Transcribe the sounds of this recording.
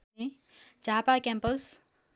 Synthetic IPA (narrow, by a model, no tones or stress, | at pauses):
e | d͡ʒaːpakɛ̃mpəls